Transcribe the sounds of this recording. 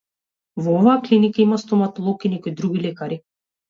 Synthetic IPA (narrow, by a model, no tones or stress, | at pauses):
vɔɔvaːklinikaimast̪ɔmat̪ɔlˠɔkinɛkɔjd̪ɾuɡilɛkaɾi